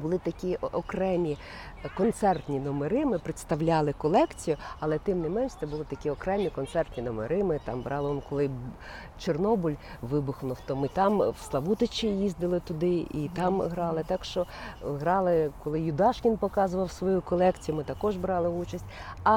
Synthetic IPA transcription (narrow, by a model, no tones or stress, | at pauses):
bʊlˠɪt̪ɐkʲiɔkɾɛmʲi | kɔnt̪sɛrt̪ʲnʲinɔmeɾɪmɪpɾɪt̪st̪ɐwlʲɑlˠɪkɔlˠɛkt͡sʲijʊɐlˠɛt̪ɪmnɪmɛnʃt͡s̪ɛbʊlˠɪt̪ɐkʲiɔkɾɛmʲikɔnt̪sɛrt̪ʲnʲinɔmḛɾɪmɪt̪ɑ̰mbɾʔɑlˠɪʋɔnkɔlˠɪ | t͡ʃernɔbʊlʲʋɪbʊxnʊft̪ɔmɪt̪ɑmwslˠɐʋut̪ɪt͡ʃʲijizd̪ɪlˠɪt̪ʊd̪ɪit̪ɑmɦɾɑlˠɪt̪ɑkʃt͡ʃɔɦɾɑlˠɪkɔlˠɪjʊd̪ɑʃkʲɪnpɔkɑzʊʋɐwsʋɔjukɔlˠɛkt͡sʲijʊmɪt̪ɐkɔʒbɾɑlˠɪut͡ʃɐsʲtʲɐ